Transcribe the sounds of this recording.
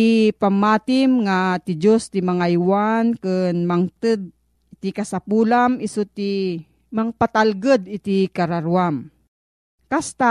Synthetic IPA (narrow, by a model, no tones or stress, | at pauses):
ipamːaːt̪ɪmŋat̪id͡ʒost̪imaŋajwankɨnmaŋt̪ɨd̪̚ | ɪt̪ikasapuːlamisut̪i | maŋpat̪alɡəd̪ɪt̪ikaɾaɾuam | kast̪a